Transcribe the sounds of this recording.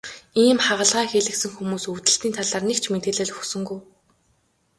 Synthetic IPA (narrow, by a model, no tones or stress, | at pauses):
iːmχaʁə̆ɮʁaːxeɮɘ̆ksɘ̆ŋxumuːsut̪ɘ̆ɬt̪iːnt̪ʰaɮaːrnekt͡ɕʰmet̪eːɮĕːɮxusɵ̆ŋɡuj